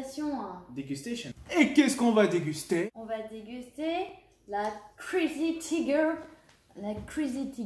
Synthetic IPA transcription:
sjɔ̃d̪eɡʲyst̪eʃɔ̃nekʲɛskɔ̃vad̪eɡʲyst̪eɔ̃vad̪eɡʲyst̪e | lakχizit̪ʰiɡə | lakχizit̪i

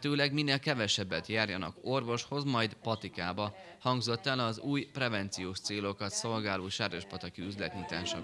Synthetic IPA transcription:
t̪øːlɛɡminːeːlkɛvɛʃɛbːɛt̪jaːrjɒnɒ̰ko̞rvo̞ʃho̞zmɒjd̪pɒt̪ikaːbɒ | hɒŋɡzo̞t̪ːɛlɒzuːjprɛvɛnt̪sijoːʃt̪seːlo̞kɒt̪so̞lɡaːloːʃaːɾɛʃpɒt̪ɒkiyzlɛt̪ɲut̪a̰ːʃɒ̰

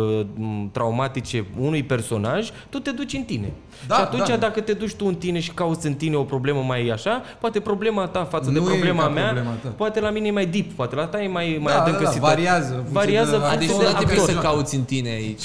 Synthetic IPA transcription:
t̪ɾʔawmat̪it͡ʃe̞unujpe̞rso̞̰naʒt̪ut̪e̞d̪ut͡ʃʲɨnt̪ine̞ | d̪ʃiat̪unt͡ʃjad̪akət̪e̞d̪ut͡ʃʲt̪uɨnt̪ine̞ʃi̥kaut̪sʲɨnt̪ine̞o̞pɾo̞ble̞məmajaʃapoat̪epɾo̞ble̞mat̪afat̪səd̪epɾoble̞mameaepoat̪e̞laminejemajd̪ippoat̪e̞lat̪ajemajmajaəɨŋkəssivaɾiazəvaɾiaəfased̪eaeosəkaut̪sʲɨnt̪ine̞ait͡ʃʲ

